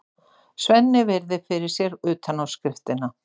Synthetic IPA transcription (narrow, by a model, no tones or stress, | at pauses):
svɛnːɪvɛɾðɪfɪɾɪ̥sjɛɾʏːt̪ʰanawskɾɪft̪ɪna